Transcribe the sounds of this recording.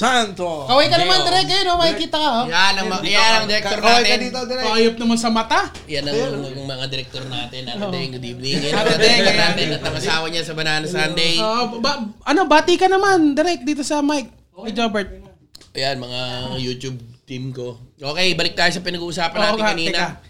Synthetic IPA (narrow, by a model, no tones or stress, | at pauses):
t̪ant̪okɐwajkɐnɐmanɪɾɛk̚ːɐjonomɐkɪkiːt̪ɐkɐojanɐmɐɐjlɐŋd̪ɛɾɛk̪oɾaːɛj̪ɪɐd̪iːt̪od̪ɛɐʔɐjop̚nɐmansɐmɐt̪a | jɐnːɐŋ | ŋmɐŋad̪ɪɾɛk̚t̪oɾnaːt̪ɪnɐeŋʊd̪imnŋɪd̪ɪɾɛk̪̚oɾnaːt̪ɪnɐt̪nɐŋɐsaːwɐɲasɐbɐnaːnɐsand̪ejoːʔobaʔɐno̞baːt̪ikɐnɐmand̪ɪɾɛk̚d̪iːt̪o̞sɐmajk̚ | ɐd͡ʒobɛɹt̪̚ | ʔɐjanmɐŋajuːt̪ub̚t̪imko̞ʔo̞ːkɛjbɐlɪk̚t̪aːjos̬ɐpɪnɐɡuːʔʊsaːpɐnoaoɪakɐniːnɐɐ